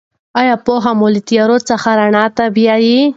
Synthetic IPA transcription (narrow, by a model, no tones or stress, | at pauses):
ɑjɑpoɦamolit̪ijɑɾot͡səxaɾaɳɑt̪abjɑji